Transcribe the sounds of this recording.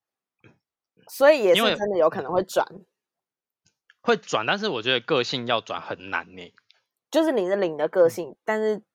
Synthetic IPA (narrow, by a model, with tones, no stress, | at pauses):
swɔ˧˦˥i˨jɛ˨˩˦wʈ͡ʂə˦nd̪ə˨jo˧˥ʊkʰɤ˨˩nə˧˦ŋxwe˥˩ɪt͡swa̰˨˩˦n | xwe˥˨ɪt͡swa̰˨˩nt̪a˥˧nʂ̬ɻ̩˥˩wɔ˨˩t͡ɕɥɛ˧˦d̪ə˧kɤ˥˧ɕi˥˨ŋjɑ˥˩ʊt͡swa̰˨˩nxə˨˩nna̰˧˦nne˨˩˦ɪ | t͡ɕjo˥˧ʊʂɻ̩˥˩li˨˩d̪ə˨˦li˨˩ŋd̪ə˩˦kɤ˥˧ɕi˥˩ŋt̪a˥˧nʂɻ̩˥˩